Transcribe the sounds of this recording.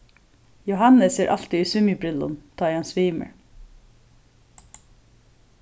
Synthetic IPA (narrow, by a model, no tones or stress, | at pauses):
jʊhɑnəseːʔɑlt̪ɪiːsʉmɪbɾɪlə̰nt̪ʰɑːjɑnsʋiːmə̰ɹ